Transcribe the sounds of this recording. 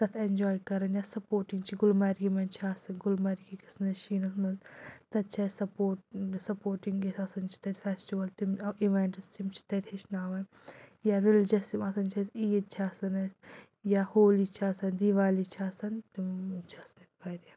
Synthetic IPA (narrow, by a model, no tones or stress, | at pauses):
sɐt̪ʰend͡ʒoːjkɐɾɐnjasɐpoːɾʈiŋɡt͡ʃʰiɡʊlmɐɾɡimɐnt͡ʃʰaːsɐnɡʊlmɐɾkikɐsɐnɐʃiːnɐsmɐnt̪ɐt̪̚t͡ʃʰɐzsɐpoːʈsɐpoːɾʈiŋɡesɐsɐnt͡ʃʰi̥t̪ɐt̪ʲfɛsʈiʋɐlt̪imiʋeɳʈɐst̪imt͡ʃʰi̥t̪ɐt̪ʲʰeʃnaːʋɐn | jaːɾild͡ʒɐsimɐsʰɐnt͡ʃʰɐziːd̪̚t͡ʃʰaːsɐnɐs | jahoːlit͡ʃʰaːsɐnd̪iʋaːlit͡ʃʰaːsɐnt̪imt͡ʃʰɐsɐnit̪̚pɐjɾja